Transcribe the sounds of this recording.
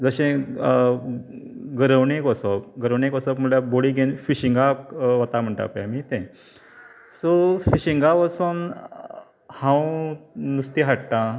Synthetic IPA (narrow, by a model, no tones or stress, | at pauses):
d͡zəɕẽ | ɡəɾəʋɳekəsɔp̚ɡəɾəʋɳekɔsɔpməʈjaboɽiɡʱenfiɕiŋɡaʋət̪am̤əɳʈa̰peamit̪ɛ̃ | sofiɕiŋɡaʋəsun | hãwnust̪iɦaʈʈã